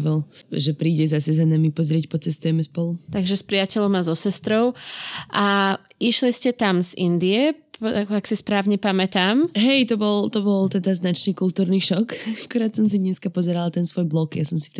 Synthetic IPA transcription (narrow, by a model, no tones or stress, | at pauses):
ʋɔlʒɛpɾiːɟɛzasɛzanamipɔzɾɪɛcpɔt͡sɛst̪ujɛmɛspɔlut̪aɡʒɛspɾɪacɛʎɔmazɔsɛst̪ɾɔʊʔaiʃliscɛt̪amzind̪iɛakaksispɾaːʊɲɛpamɛt̪aːmɦɛjt̪ɔbɔlt̪ɔbɔlt̪ɛd̪aznat͡ʃniːkult̪uːɾniʃɔkakuɾaːt̪sɔms̬iɲɛskapɔzɛɾalat̪ɛnsʋɔjblɔkjasɔmsi̥ft̪